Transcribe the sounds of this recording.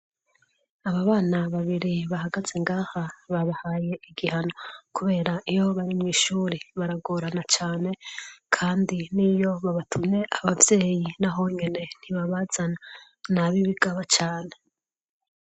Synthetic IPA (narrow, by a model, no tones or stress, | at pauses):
aβaβaːnaβaβiɾiβahaɡaz̥eŋɡaːhaβaβahaːje̞ʔiɡihano̞kuβe̞ːɾaʔijo̞βaɾimŋiːʃuːɾiβaɾaɡoɾanat͡ʃaːne̞kʰaːndinijo̞βaβatʰumne̞ʔaβavje̞ːjinaɦo̞ɲe̞ne̞n̥iβaβaz̥ana | naβiβiɡaβat͡ʃaːne̞